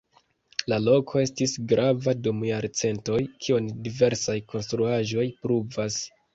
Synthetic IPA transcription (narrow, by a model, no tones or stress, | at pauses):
lalo̞kʰo̞e̞stisɡɾavadomjaɾt͡se̞nto̞jkʰiondive̞ɾsajko̞nstɾuaʒo̞jpɾuvas